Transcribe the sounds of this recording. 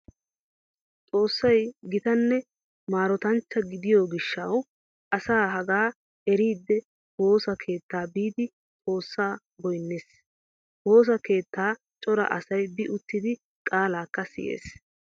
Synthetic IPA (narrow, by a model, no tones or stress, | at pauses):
t͡sʼo̞ːsːɐjɡɪt̪ɐnːɛ | maːɾɔt̪ɐnt͡ʃːɐɡɪd̪ɪjoːɡɪʃːɐw | ʔɐsaːɦɐɡaː | ɛɾiːd̪ːɛ | ho̞ːsɐkʰe̞ːt̪ːaːbiːd̪ɪ | t͡sʼo̞ːsːaː | ɡɔjnːeːs | ho̞ːs̬ɐke̞ːt̪ːaː | t͡ʃʼɔɾɐ̰ʔɐ̰sɐjbɪʔʊt̪ːɪd̪ɪ | kʼaːlaːkːɐsɪ̰jʔḛːs